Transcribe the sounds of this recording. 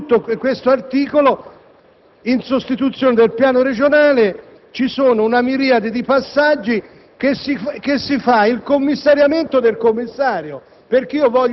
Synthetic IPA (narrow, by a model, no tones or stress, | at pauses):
t̪ːokwest̪oart̪iːkolo | insost̪it̪ut̪sːjoːned̪elpjaːnoɾed͡ʒonaːle | t͡ʃisoːnounamiɾiːad̪ed̪ipasːad͡ʒːi | kesik̟esːifailkomːisːaɾjament̪od̪elkomːisːaːɾjo | perk̟eiːovɔʎː